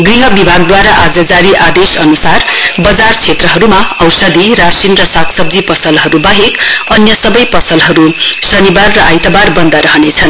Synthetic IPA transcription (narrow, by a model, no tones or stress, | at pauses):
ɡriɦʌbibʱaɡ̚d̪waɾaʔad͡zʌd͡zaɾiʔad̪esʌnusarbʌd͡zart͡sʰet̪rʌɦʌɾumaʌwsʌd̪iɾasinrʌsakʰsʌb̚d͡zipʌsʌlɦʌɾubaɦekʌnjʌsʌbʌjpʌsʌlɦʌɾusʌnibarːʌajt̪ʌbarbʌnd̪aɾʌɦʌnet͡sʰʌn